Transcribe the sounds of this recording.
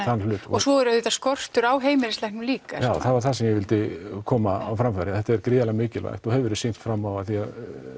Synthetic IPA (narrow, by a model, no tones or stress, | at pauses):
θanlʏːt̪ɔɔsɔɛɾʏɪt̪askɔr̥t̪ʏɾaːwɦeːjmɪɾɪstlajhknmliːkajawθavaɾθasɛmjɛɣvɪlt̪ɪkʰɔːmaa̰wfɾamfaɾɪθɛht̪ːaɛɾkɾɪːðalaɣmɪːcɪlva̰jxt̪ɔhɛvʏɾɪsin̥t̪fɾamːawaθiað